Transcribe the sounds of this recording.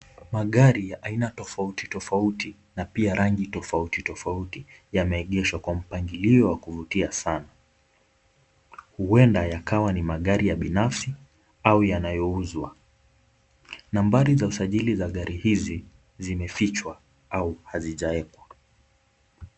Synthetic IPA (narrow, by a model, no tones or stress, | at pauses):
maɠaɾijaʔainatɔfautitɔfauti | napiaɾʔaŋɡitɔfautitɔfautijamɛːɠɛʃwakwam̩paŋɡiliɔwakuvutiasana | huwɛndajakawanimaɠaɾijaɓinafsi | aujanajɔuzwa | nambaɾizausaʄilizaɠaɾʔihizi | zimɛfit͡ʃwa | auhaziʄaɛkwa